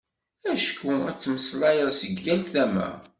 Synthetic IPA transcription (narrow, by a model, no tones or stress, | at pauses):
æʃkːuɾt͡sːməslɑjəðˤsəɡːænt̪θæmæ̰